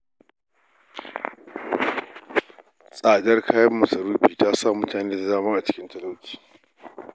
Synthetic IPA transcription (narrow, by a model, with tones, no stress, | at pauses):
sʼaː˨dɐ˦rkʰaː˦jɐ˦mːɐ˨sɐ˨ɾuː˦ɸiː˨taː˦sa˦˨mʊ˦taː˨neː˦da˨zaː˦mɐ˦ŋʔa˨t͡ʃɪ̥˦kʲɪ˦ntɐ˦lo˦kʲi̥ː˨